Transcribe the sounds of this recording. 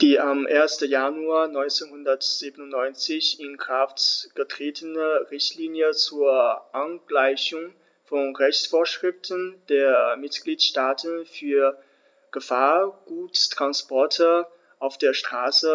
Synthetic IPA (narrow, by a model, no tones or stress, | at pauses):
d̥iːʔamʔeːɐstəjanuaːɐnɔʏnt͡senhʊndɐtz̥iːbənʊntnɔʏnt͡sɪçɪnkʁ̥aftɡ̥ətʁ̥eːtʰənəʁɪçtʰliːnjət͡suːɐʔanɡ̥laɪçʊŋ | fɔnʁɛçt͡sfoːɐʃʁ̥ɪftʰənd̥eːɐmɪtɡ̥liːtʃtaːtʰənfyːɐ | ɡ̥əfaːɐɡ̥uːttʁ̥anspɔɐtʰə | ʔaʊfd̥eːɐʃtʁ̥aːsə